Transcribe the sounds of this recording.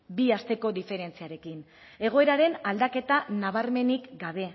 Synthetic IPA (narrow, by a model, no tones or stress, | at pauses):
biast̪e̞ko̞ðife̞ɾe̞nt͡siaɾe̞kin | e̞ɣ̞o̞e̞ɾaɾe̞nald̪ake̞t̪anaβ̞aɾme̞nikɡaβ̞e̞